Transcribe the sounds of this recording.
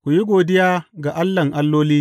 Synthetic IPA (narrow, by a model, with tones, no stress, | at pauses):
kʷu˨ji˦ɡʷoː˨dɪ˦jaː˦ɡa˨ʔa˦lːɐ˨ŋʔa˦lːoː˦liː˦